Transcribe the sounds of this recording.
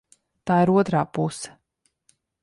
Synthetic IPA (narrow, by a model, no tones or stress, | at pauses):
t̪aːiɾuɔt̪ɾaːpusɛ̥